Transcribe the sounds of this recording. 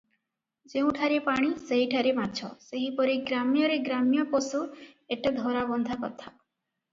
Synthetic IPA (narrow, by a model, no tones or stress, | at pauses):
d͡ʒeũʈʰaɾepaɽ̃iseɦiʈʰaɾemat͡ʃʰɔ̰seɦipɔɾiɡɾamjɔɾeɡɾamijɔpɔsueʈad̪ʱɔɾabɔnd̪ʱakɔt̪ʰa